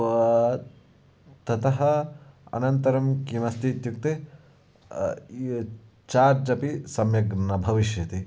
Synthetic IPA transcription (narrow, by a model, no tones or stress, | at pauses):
t̪ɐt̪ɐɦɐɐ̰nɐnt̪ɐɾɐmkimɐst̪ʰit̪juk̚t̪e | t͡ʃaːɾd͡ʒɐpisɐmjɐɡnɐbʱɐʋiʃjɐt̪i